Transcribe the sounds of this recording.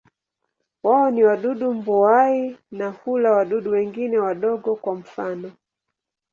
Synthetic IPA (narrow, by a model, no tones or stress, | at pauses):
waɔniwaɗuɗumbɔainahulawaɗuɗuwɛŋɡinɛwaɗɔɡɔkwam̩fanɔ